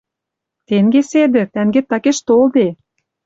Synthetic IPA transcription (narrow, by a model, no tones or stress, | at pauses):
t̪eŋɡesed̪ɘ̆t̪æŋɡet̪ːɑkeʃt̪old̪e